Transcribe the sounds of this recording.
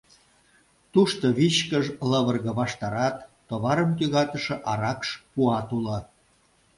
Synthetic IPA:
t̪uʃt̪oβit͡ɕkəʒləβərɣə̆βɑʃt̪ɑɾɑt̪ːoβɑɾəmt̪yɣɑt̪əʃĕʔɑɾɑkʃpuɑt̪ulə̆

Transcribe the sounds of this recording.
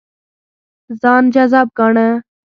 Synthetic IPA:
zaːnd͡ʒazaːb̚ɡaːɳɛ

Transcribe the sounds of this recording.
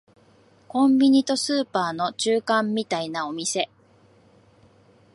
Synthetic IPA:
kõ̞mbʲiɲ̟it̪o̞sɨːpaːno̞t͡ɕɨːkãmːʲit̪ainao̞mʲise̞

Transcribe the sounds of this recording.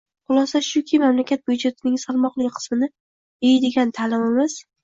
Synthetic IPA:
χʊlˠɒsaʃʊkʲʰɪmamlakʲʰat̪̚bʊjd͡ʒet̪ʰɪnɪŋsalˠmɒqlɪkʲqʰɨ̥smɪnɪ | ejd̪eɡʲant̪ʰaːlɪmɪmɪs

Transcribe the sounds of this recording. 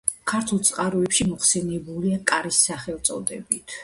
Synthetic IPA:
kʰaɾt̪ʰulˠt̪sʼqʼaɾɔɛpʃimɔχsɛnɛbuliakʼaɾisːaχɛlˠt̪sʼɔd̪ɛbit̪ʰ

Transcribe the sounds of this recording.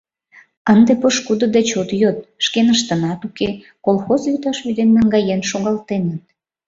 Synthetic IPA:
ənd̪epəʃkud̪ə̆d̪et͡ɕot̪jot̪̚ʃkenəʃt̪ə̆nɑt̪uke | kolˠxozjyt̪ɑʃvyd̪emːəŋɡɑjenʃoɣɑlt̪enət̪̚

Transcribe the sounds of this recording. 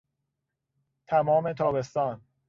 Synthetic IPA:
t̪ʰæmɒːme̞t̪ʰɒːbe̞st̪ɒːn

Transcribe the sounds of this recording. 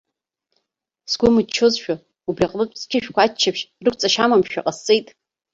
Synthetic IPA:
sɡʷʊmɨt͡ʃʰozʃᶣa | ubrʲiaqʼlɨtʷʼskʲʰɪʃᶣkʷʰat͡ʃʰːapʰʃrɨkʷʰt͡sʼaʃamamʃᶣa̰qʼast͡sʼejtʼ

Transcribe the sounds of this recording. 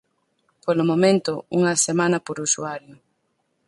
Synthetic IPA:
polʊmomẽnt̪ʊuŋɐsemãnɐpoɾusuaɾjʊ

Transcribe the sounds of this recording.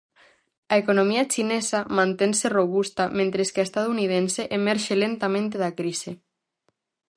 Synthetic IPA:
aekonomiat͡ʃinesamãnt̪enseroβust̪amẽnt̪ɾeskeaest̪aðouniðenseʔemɛɾʃelent̪amẽnt̪eðakɾise

